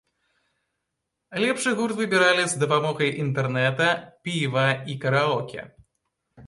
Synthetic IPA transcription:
lʲɛpʂɨɣurt̪vɨbʲiɾalʲizd̪ɐpamɔɣɐjʔint̪ɛrnɛt̪ɐpʲivɐikɐɾaɔkʲɛ̰

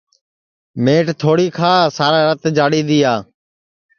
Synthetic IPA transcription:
meːʈt̪ʰoːɽiːkʰaːsaːɾaːɾət̪d͡ʒaːɽiːd̪iːjaː

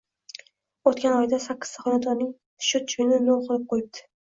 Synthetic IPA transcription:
ot̪kʲanɒjd̪asakʲːɪ̥st̪aχɒnat̪ʰɒnnːɪŋ | ʃʊt͡ʃʰʊjnɪnolˠqʰɨlˠɪp̚qʰojɪp̚d̪ɪ̥

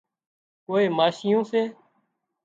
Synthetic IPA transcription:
koːeːmaːʃɪjõːseː

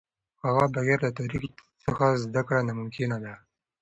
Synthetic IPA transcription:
haɣabaɣiɾlat̪aɾiksəxazd̪akɽanamʊmkɪnad̪a

